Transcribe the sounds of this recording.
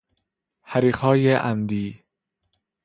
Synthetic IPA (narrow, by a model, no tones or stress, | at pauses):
hæɾiːqɒːjeʔæmd̪iː